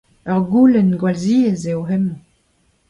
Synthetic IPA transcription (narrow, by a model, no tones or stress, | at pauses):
œʁɡulɛnɡwalziːezeoɦɛm